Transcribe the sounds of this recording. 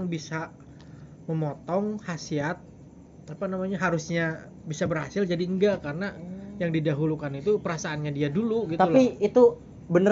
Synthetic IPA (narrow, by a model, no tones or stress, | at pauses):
ŋbisa | məmɔt̪ɔŋhasiat̪̚ | apanamaɲaɦaɾusɲa | bisabərha̰sɪld͡ʒadiəŋɡaʔkarənajaŋdidaɦulukanit̪upəɾasaːnɲadiaduluɡit̪aulpiit̪u | bənə